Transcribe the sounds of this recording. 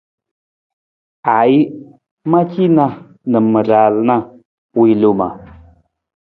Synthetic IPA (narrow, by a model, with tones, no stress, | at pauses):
a˨i˦ | ma˦ki˦na˦ | nə˨mə˨ɾa˨lna˦ | wi˨lu˦ma̰˨